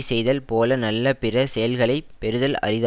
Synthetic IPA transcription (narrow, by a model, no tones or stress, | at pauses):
sɛjðɐlpoːlɐnɐlːɐpɪɾɐsɛjɐlɣɐɭɐɪpɛɾɯðɐlɐ̰rɪð